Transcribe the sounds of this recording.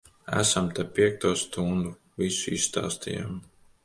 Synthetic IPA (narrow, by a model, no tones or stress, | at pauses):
æ̰samt̪ɛpiɛk̚t̪uɔst̪und̪u | visuisst̪a̰ːst̪ija̰m